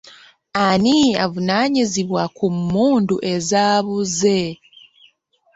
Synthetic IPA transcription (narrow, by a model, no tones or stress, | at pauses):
ania̰vunaːɲiziβwakumːuːnduʔe̞zaːβuze